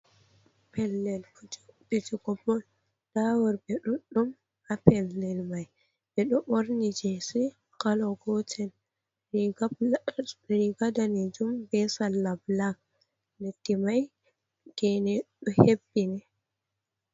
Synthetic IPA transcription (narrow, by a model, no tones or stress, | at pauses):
pɛlːɛlkbid͡ʒiɡɔbɔn | d̥awɔɾbɛɗuɗum | apɛlːɛlmaj | bɛɗɔʔoɾnid͡ʒesi | kalɔɡɔtʰɛn | ɾiɡadanɛd͡ʒumbɛsalːablak̚ | letːimaj | ɡɛnɛɗɔhebːinɛ